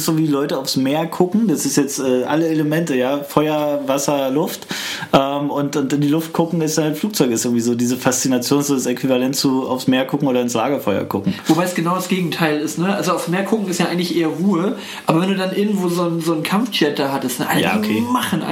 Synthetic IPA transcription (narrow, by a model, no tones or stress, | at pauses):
sz̥oːviːlɔʏtəaʊfsmeːɐkʰʊkŋ̩d̥asɪstjɛt͡stʔɛːʔa̰ləeləmɛntəjaːfɔʏɐvasɐlʊftʔɛːmʊntʊntɪndiːlʊft̚kʰʊkŋ̩ɛsd̥anhaltfluːk̚t͡sɔʏkɪsʔɪɐɡŋ̩tiːzoːdiːzəfast͡sinat͡sjoːnszoːdasekv̥ivalɛntt͡suːa̰ʊfsmeːɐkʰʊkŋ̩oːɾɐɪnslaːɡɐfɔʏɐ̰kʰʊkŋ̩vobaɪsɡ̥ənaʊɾasɡ̥eːɡŋ̩tʰaɪlɪstnəʔalzoaʊfsmeːɐkʰʊkŋ̩ɪstjaːʔaɪŋ̩tlɪçʔeːɐʁuːə | ʔaːbɐvɛnduːdanʔɪɐɡŋ̩tv̥oːzoːnzoːnkʰamft͡ʃɛt̚d̥aːɦatəstnʔa̰lja̰ːo̰kʰeːmaχn̩ʔa̰